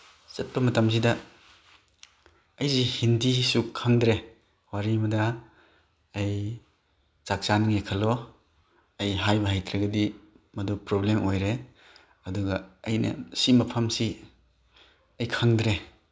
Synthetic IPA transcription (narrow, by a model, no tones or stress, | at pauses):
sɐt̚pɐmɐtams̬idɐ | jzihindisukʰaŋdɾe | waɾimɐdɐ | j | t͡ʃak̚t͡ʃanŋekʰɐlo | ɐjɦajbɐɦajtʰɾaɡɐdi | mɐdupɾoblemojɾe | ɐduɡɐːjnɐ̰simɐpʰɐmsi | ɐjkʰaŋdɾe